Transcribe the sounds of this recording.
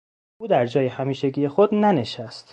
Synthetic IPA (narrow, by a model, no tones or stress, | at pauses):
ʔuːd̪æɾd͡ʒɒːjehæmiːʃeɡiːje̞xod̪næneʃæst̪